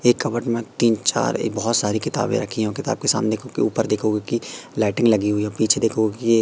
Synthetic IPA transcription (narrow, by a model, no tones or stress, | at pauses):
eːkːɐbəʈmẽt̪iːnt͡ʃa̰ːɾbɔɦʊt̪saːɾikɪt̪a̰ːbḛ̃ɾɐkʰiɦɛ̃kɪt̪a̰ːb̚kesa̰ːmned̪ekʰokeuːpəɾd̪eːkʰoɡekilaːɪʈɪ̃ŋɡlɐɡiɦuiɔːpiːt͡ʃʰed̪eːkʰoɡekie